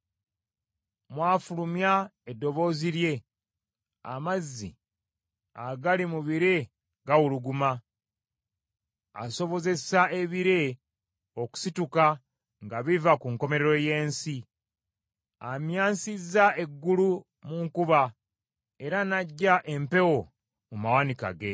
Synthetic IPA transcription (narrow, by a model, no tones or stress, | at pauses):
mwaːfulumjaedːo̞βo̞ːziɾje̞ | a̰mazːḭ | aɡalimuβiɾe̞ | ɡawuluɡuma | a̰so̞βo̞ze̞sae̞βiɾe̞ | oku̥situka | ŋɡaβivakuŋko̞me̞ɾeɾo̞je̞ːnsi | amjaːnsizae̞ɡːulu | muŋkuβa | e̞ɾanaɟːaʔempe̞wo̞ | mumawanika̰ɡe̞